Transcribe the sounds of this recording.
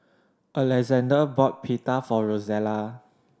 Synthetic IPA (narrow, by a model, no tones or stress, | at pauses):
ʔəlɛzɛ̃ndəbɔt̚pʰitafɔɹozɛla